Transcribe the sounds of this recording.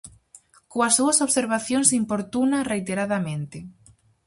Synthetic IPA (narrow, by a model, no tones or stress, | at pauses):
koɐsːuɐsoβseɾβ̞aθjoŋsimpoɾt̪unɐrejt̪eɾaðamẽnt̪ɪ